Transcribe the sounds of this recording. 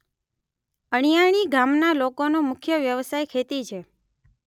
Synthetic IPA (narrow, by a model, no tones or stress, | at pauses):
əɽ̃ijaɳ̃iɡamnalokonomʊkʰjəʋjəʋsajkʰet̪it͡ʃʰe